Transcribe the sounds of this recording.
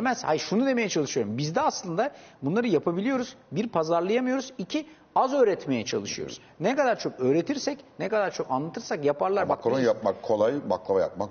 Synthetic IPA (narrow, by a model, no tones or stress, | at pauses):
d̪emɛz̥hajiɾʃunud̪e̞me̞jɛt͡ʃʰalˠɯʃɯjo̞ɾumbizd̪ɛaslˠɯnd̪abunlˠaɾɯjapʰabilʲijo̞ɾuzbiɾpʰazaɾlˠajamɯjo̞ɾuzicʰi | azø̞ːɾɛt̪me̞jɛt͡ʃʰa̰lˠɯʃɯjo̰ɾṵz | nɛkad̪aɾt͡ʃʰo̞kø̞ːɾe̞t̪ʰiɾsɛcnɛkad̪aɾt͡ʃʰo̞kanlˠat̪ʰɯɾsakjapʰaɾlˠaɾbaklˠaajap̚makʰːo̞lˠajma̰klˠavaja̰p̚mak